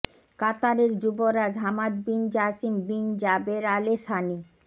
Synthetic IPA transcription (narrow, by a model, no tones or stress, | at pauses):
kat̪aɾeɾd͡ʑuboɾad͡ʑɦamad̪̚bind͡ʑasimbind͡ʑabeɾaleʃani